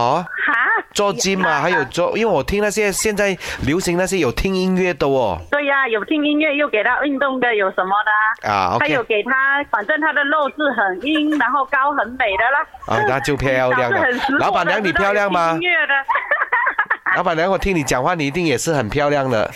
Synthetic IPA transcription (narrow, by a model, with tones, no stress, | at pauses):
ɔ˧˦ha˧˥t͡sɔ˥˧t͡ɕi˥nma˨˧xa˧˦ɪjo˨˩ʊt͡swɔ˥˧ʔḭ˧˥nwe˥˩wɔ˨˩t̪ʰi˥ŋna˥˧˩ɕ̬jɛ˥ɕjɛ˥˧nt͡sa˥˩ɪljo˧˦ʊɕi˧˥ŋna˥˧ɕ̬jɛ˥jo˨˩ʊt̪ʰi˥ŋi˥ŋɥɛ˥˩t̪ə˧˩ɔ˨˩t̪we˥˩ɪa˧jo˨˩ʊt̪ʰi˧˥ŋi˧˥ŋɥɛ˥˧jo˥˩ʊke˨˩t̪ʰa˦˥ʔi˥˧nt̪ʊ˥˩ŋd̪ə˨jo˨˩ʊsə˧˦nmɔ˧d̪ə˧a̰˨˩o̰˧a˧˦jjo˨˩ʊke˨˩ɪt̪ʰa˦˥kwa˨˩nt͡sə˥˨nt̪ʰa˦˥d̪ə˨lo˥˧ʊt͡sɹ̩˥˩ɦə˨˩ŋi˧˥ŋna˧˥nɦo˥˧ʊka˦˥ʊɦə˧˦nme˨˩ɪd̪ə˨la˧˦ʔɔ̰˨t̪ʰa˥t͡ɕjo˥˧ʊpʰja˥˧˥ʊlja˥˩ŋ˥˧ə˨˩ns̩˧˥la˧˦ʊpa˨˩nlja˧˦ŋni˨˩pʰjɑ˥˧ʊlja˥˩ŋma˧˥ŋɥɛ˥˧d̪ə˨ | lpa˨˩lja˧˦ŋwɔ˨˩t̪ʰi˦˥ŋni˨˩t͡ɕja˨˩ŋxwa˥˨ni˨˩i˧t̪i˥˩ŋjɛ˨˩ʂɻ̩˥˩xə˨˩npʰjɑ˥˧ʊlja˥˩ŋd̪ə̰˨